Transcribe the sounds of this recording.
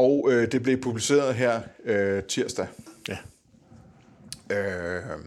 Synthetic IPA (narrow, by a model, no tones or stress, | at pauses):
ɒʊød̥e̝b̥le̝pʰub̥lise̝̰ːɐð̩ˠɦeɐ̰øt͡sʰiɐsd̥æ | ø